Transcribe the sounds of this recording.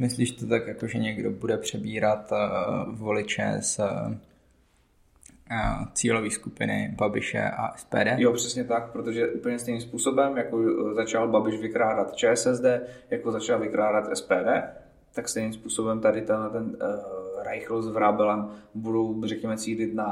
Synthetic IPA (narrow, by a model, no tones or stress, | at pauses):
mɪsliːʃt̪ot̪akjakoʒɛɲɛɡdobudɛpr̥ɛbiːɾat̪ | volɪt͡ʃɛ̰s | t͡siːloviːskupɪnɪ̰babɪʃɛ̰ʔa̰ʔɛspɛ̰ːdɛːjopr̝̥ɛsɲɛt̪ak̚pɾot̪oʒɛʔuːpl̩ɲɛst̪ɛjnimspuːso̞bɛmjakozat͡ʃalbabɪʃvɪkɾaːdat̪t͡ʃɛːɛsɛzdɛːjakozat͡ʃalvɪkɾaːdat̪ʔɛspɛːdɛː | t̪akst̪ɛjnimspuːsobɛmt̪adɪt̪anlɛt̪ɛn | ɾajxlozvɾabɛlɛmbudowrɛkɲɛmɛt͡siːlɪt̪na